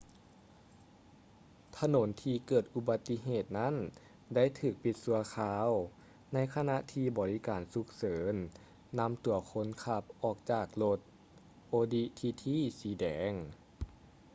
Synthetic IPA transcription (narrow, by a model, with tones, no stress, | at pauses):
t̪ʰa˧no˩˦nt̪ʰiː˧kɤː˨˩t̪̚ʔu˧ba˧˦t̪ːi˧ɦeː˨˩t̪̚na˥˨n | da˥˨jt̪ʰɯː˧˩k̚pi˧˦t̪̚su˧˦ɐkʰaː˧˥w | na˧˥˨jkʰa˧na˧˥ʔt̪ʰiː˧bɔː˨˩li˦˥kaː˨˩nsu˧˦k̚sɤː˩˨˦nː | a˧˥mt̪u˨˩˦ɐkʰo˧˥nkʰa˧˥p̚ʔɔː˨˩k̚t͡ɕaː˨˩k̚lo˧t̪̚ | ʔoː˧di˧˥t̪ʰiː˧t̪ʰiː˧˥˨siː˨˦dɛː˩˦ŋ